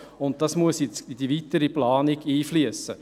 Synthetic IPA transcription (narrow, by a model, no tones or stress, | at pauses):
ʊnt̚dɑsmuəsjɪt͡sidivitəɾiplɑːniɡiːflyəsːə